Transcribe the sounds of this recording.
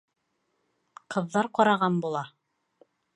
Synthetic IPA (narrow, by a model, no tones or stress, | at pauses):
qɤ̆ðːɑɾqɑɾɑʁɑnbulˠɑ